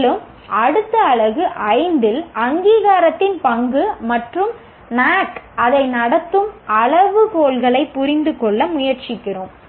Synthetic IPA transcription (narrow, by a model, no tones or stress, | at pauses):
lɯm | ʔɐɽɯt̪ːɐːɭɐɣɯʔɐɪnd̪ɪlʔɐŋɡiːɣaːɾɐt̪ːɪnpɐŋɡɯmɐʈrɯm | naːʈʔɐðɐɪnɐɽɐt̪ːɯmɐɭɐʋɯkoːɭɣɐɭɐɪpːʊɾɪnd̪ɯkɔɭːɐmʊjɐɾt͡ʃɪkːɪrom